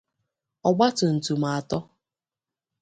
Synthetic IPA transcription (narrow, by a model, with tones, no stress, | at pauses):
ɔ˨ɡ͡ba˦tʊ˨n̩˨tu˨m̩a˨tɔ˦